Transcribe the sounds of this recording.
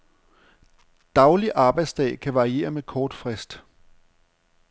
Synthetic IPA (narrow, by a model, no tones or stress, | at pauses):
d̥ɑ̈ʊliʔɑ̈ːb̥ɑ̈ɪd̥sd̥ɛ̰ːkʰæʋɑ̈ʁie̝̰ːɐmekʰɒːd̥fʁɛsd̥